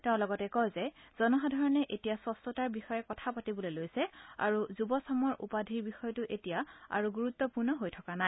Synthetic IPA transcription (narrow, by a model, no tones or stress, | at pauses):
tɛʊ̃lɔɡɔtɛkɔjzɛz̥ɔnɔɦadʱɔɹɔnɛʔetijasɔstɔtaɹbixɔjɛkɔtʰapatibɔlojlojsɛa̰ɹuzubɔsɔmɔɹṵpadʱiɹbixɔjɔtʊʔetijaa̰ɹuɡuɹut̪ːɔpuɹnɔɦojtʰɔkana